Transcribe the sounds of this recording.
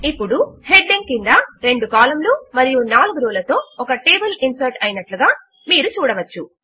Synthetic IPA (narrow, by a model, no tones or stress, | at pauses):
ipːuɽuhe̞ɖːeŋkind̪ɐɾe̞ɳɖukaːlɐmloːmɐɾijunaːluɡuɾuːlɐt̪o̞ːɔkɐʈeːbɐlinsɐɾʈɐjinɐʈluɡaː | miːɾut͡ʃuːɽɐʋɐt͡ʃːu